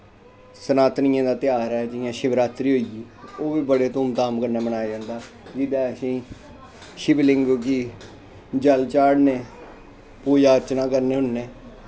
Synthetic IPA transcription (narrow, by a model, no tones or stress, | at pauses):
sənaːt̪nɪjãːd̪aːt̪ɪjaːɾɛːd͡ʒɪjãːʃɪbɾaːt̪ɾiːɦoːiɡiːoːʋiːbəɽeːt̪ʊːmt̪aːmkəɾneːmənaːjd͡ʒãːnd̪aː | d͡ʒɪd̪aːəsĩː | ʃɪblɪŋɡkiː | d͡ʒəlt͡ʃaːɽneː | puːjaːəɾt͡ʃnãːkəɾneːɦʊnːeː